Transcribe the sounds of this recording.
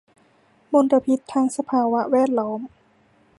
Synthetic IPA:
mo˧nt̪a˧pʰi˦˥t̪ʰːaː˧ŋsa˧pʰaː˧wa˦˥wɛː˥˩t̪̚lɔː˦˥m

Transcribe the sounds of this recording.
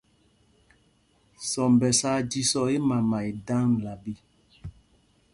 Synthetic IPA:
sɔ˨mbɛ˨saː˦d͡ʒi˦sɔ˨i˦ma˨ma˨i˨dã˦ŋ˨la˨bi˦

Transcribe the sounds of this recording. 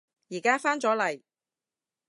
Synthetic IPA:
jiː˨˩kaː˥faː˥nt͡sɔː˨˥lɐ˨˩j

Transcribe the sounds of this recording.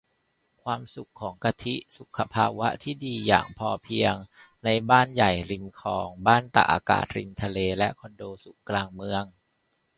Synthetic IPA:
kʰwaː˧msu˨˩kʰːɔː˩˦ŋka˧t̪ʰi˦˥ʔsu˨˩kʰːa˧pʰa̰ː˧wa˦˥ʔt̪ʰiː˥˩diː˧ja̰ː˨˩ŋpʰɔː˧pʰi˧əŋ | na˧jbaː˥˩nja˨˩jɾi˧mkʰɔː˨˩˦ŋbaː˥˩nt̪a̰˨˩ʔa̰ː˧ka̰ː˨˩t̪̚ɾi˧mt̪ʰa˧leː˧lɛ˦˥ʔkʰɔ˧ndoː˧su˨˩kkːlaː˧ŋmɯ˧əŋ

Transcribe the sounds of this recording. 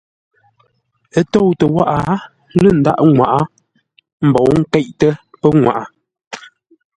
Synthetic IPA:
ə˦to˦˨wtə˨wa˦ʔa˨ | lə˦˨n̩˨da̰˦ʔŋwa˨ʔa˦ | m̩˨bɔ˨wŋ̩˦kɛ˦ʔtə˦pə˦ŋwa̰˨ʔa˨

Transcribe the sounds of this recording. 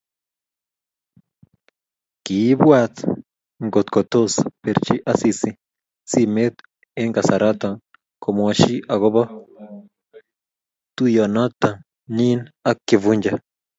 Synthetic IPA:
ki˨˦bwa˦t̪ | ŋɡo˨t̪ko˨t̪o˦spe˨ɾt͡ʃi˦ʔa˦si˨si˨ | t͡si˦me˦t̪ | e˦ŋɡa˨sa˨ɾʔa˦t̪a˨ŋ | ko˨mwa˨ʃi˦ʔa˨ɣo˦βa˦ | t̪u˦ja˨na˦t̪ːa˨ | ni˦na˦kːi˨vu˦ɲd͡ʒa

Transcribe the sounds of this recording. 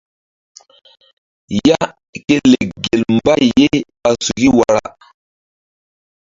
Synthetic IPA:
ja˦ | ke˦le˨ɡe˨lmba˦je˦ | a˨su˨ɡi˦wa˨ɾa˦

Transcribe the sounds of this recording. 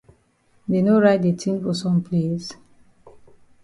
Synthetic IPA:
de˨no˦ɹaɪt̚de˨tʰĩ˦nfɔ˨sɔ̃˨mpʰles

